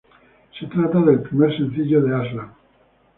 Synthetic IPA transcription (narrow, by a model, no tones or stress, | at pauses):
se̞t̪ɾat̪aðe̞lpɾimeɾsẽ̞n̟θiʎoðeazla